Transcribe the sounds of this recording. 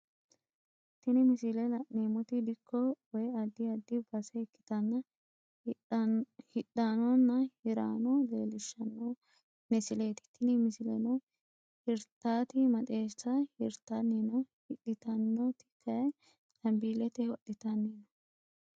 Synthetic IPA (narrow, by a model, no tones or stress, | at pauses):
t̪ɪnɪmɪsɪlɛnɐneːmʊt̪ɪd̪ɪkʰːɔwɔjɐd̪ːɪɐd̪ːɪbɐsɛɪkːɪ̥t̪ɐnːɐ | hɪɗːanɔnːɐhɪɾa̰ːnɔleːlɪʃːɐnːɔ | mɪsɪleːt̪ɪ̥t̪ʰɪnɪmɪsɪlɛ̰nɔ | hɪɾt̪ːaːt̪ɪmɐt̪ʼeːsɐhɪɾt̪ːɐnːeːnɔhɪɗɪt̪ɐnːɔt̪ɪ̥kʰːɐ | lɐmbilɛt̪ɛɔɗːɪt̪ɐnːeːnɔ